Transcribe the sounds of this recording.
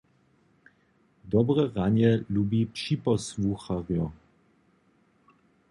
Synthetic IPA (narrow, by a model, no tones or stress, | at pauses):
d̪ɔbʁəʁanjɛlubipʃipɔsvuxaʁjɔ